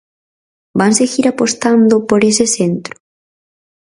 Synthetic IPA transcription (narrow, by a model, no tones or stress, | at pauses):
banseɣiɾapost̪and̪ʊpoɾesesent̪ɾʊ̥